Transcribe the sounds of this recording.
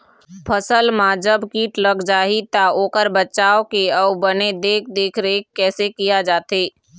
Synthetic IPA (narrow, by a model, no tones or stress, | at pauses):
pʰəsəlmãd͡ʒəbkiːʈləɡd͡ʒaːit̪aoːkəɾbətːt͡ʃaːokeɔbəned̪eːk̚ʰd̪eːkʰɾeːkːɛːsekijad͡ʒaːt̪eː